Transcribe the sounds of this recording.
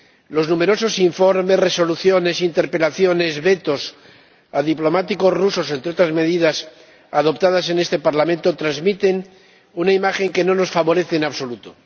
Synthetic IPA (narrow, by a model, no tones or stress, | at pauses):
lo̞znume̞ɾo̞so̞siɱfo̞ɾme̞sre̞so̞luθjo̞ne̞sint̪e̞ɾpe̞laθjo̞ne̞zβe̞t̪o̞s | aðiplo̞mat̪iko̞sruso̞sent̪ɾeo̞t̪ɾazme̞ðiðas | að̞o̞pt̪að̞ase̞ne̞st̪e̞paɾlamẽnt̪o̞t̪ɾazmit̪e̞n | unaimaxe̞ŋke̞no̞no̞sfaβo̞ɾe̞θeːnaβso̞lut̪o